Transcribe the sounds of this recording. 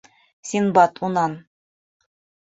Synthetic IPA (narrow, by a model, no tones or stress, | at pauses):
sʲinbɑt̪ʰunɑn